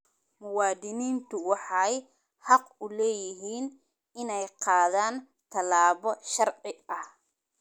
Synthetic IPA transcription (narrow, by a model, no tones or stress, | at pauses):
mʊwɑːd̪ɪniːnt̪ʰʊwɑħɑj | hɑqʊlɛːjɪɦiːn | ɪnɛjqɑːðaːn | t̪ʰɐlaːβɔʃɐrʕɪɐh